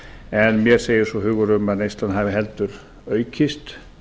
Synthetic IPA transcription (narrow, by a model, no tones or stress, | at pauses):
ɛnmjɛɾ̥seːjɪɾsɔɦʏːɣʏɾʏmaðnejst̪lanhaːvɪɦɛlt̪ʏɾ | œɥcʰɪst̪